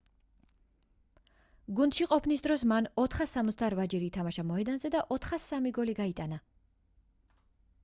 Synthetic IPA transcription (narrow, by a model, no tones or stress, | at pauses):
ɡund̪̥ʃiqʼɔpʰnisd̪ɾɔsmanɔt̪ʰχasːamɔt̪sd̪aɾvad͡ʒɛɾiːt̪ʰamaʃamɔɦɛd̪anzɛd̪aʔɔt̪ʰχasamiɡɔliɡait̪ʼana